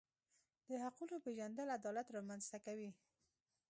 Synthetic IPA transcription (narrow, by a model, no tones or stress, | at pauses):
d̪̥əhaqulopeʒand̪əlad̪ɑlat̪ɾɑmanz̥t̪akawi